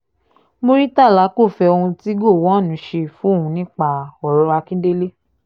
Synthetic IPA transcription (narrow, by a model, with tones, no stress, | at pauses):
mo˧ɾi˦ta˦˨la˨˦ko˦˨fɛ˧o˧hũ˧ti˦ɡo˦˨wɔ̃˨˦˨nũ˨˦ʃe˧fũ˨˦o˦hũ˧nĩ˦k͡pa˧ɔ˨ɾɔ˨˧a˧kĩ˦de˦le˦